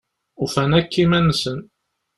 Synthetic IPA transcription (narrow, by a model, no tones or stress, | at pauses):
ufænækːimænːsən